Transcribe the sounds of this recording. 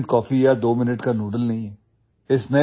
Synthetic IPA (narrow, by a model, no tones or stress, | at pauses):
ʈkɔːfijad̪oːmɪnəʈkanuːɖəlnɐɦĩɦɛː | ɪsne